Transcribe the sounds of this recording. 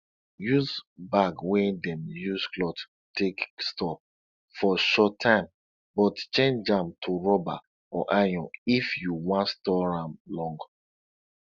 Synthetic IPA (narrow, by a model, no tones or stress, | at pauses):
juzbaɡwɛ̃ndɛ̃mjuzklɔd | tekstɔp̚ | fɔʃɔtʰːãɪ̃m | bɔtt͡ʃẽnd͡ʒãmtʰuɹɔba | ɔ̰ʔajɔ̃nifjuwãntstɔɹãmlɔ̃ŋɡ